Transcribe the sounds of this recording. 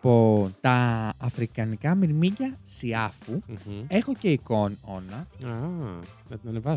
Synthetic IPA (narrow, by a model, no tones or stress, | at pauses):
pot̪ɐːfɾikɐnikɐmiɾmiɟɐsiɐfue̞xo̞ce̞iko̞no̞nɐɐnɐt̪inɐnevɐs